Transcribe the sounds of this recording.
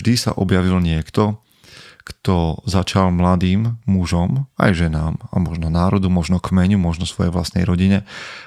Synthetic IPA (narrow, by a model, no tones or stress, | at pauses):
d̪isa̰ʔɔbjaʋilɲɪɛkt̪ɔ | kt̪ɔzat͡ʃalmlad̪iːmːuʒɔma̰jʒɛnaːma̰mɔʒnɔnaːɾɔd̪umɔʒnɔkmɛɲumɔʒnɔsʋɔjɛ̰ʋla̰st̪nɛ̰jɾɔɟiɲɛ